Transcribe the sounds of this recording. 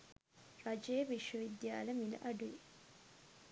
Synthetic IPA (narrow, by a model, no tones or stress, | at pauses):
rɐd͡ʒejəʋiʃʋəʋid̪jaːləmilɐ̰ʔɐɖuʋi